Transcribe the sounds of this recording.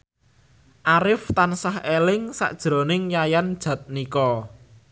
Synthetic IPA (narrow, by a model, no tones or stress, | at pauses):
ʔaɾɪft̪ansahelɪŋsa̰ʔd̥ʒ̥ɾo̤nɪŋjajand̥ʒ̥ä̤t̪̚nikɔ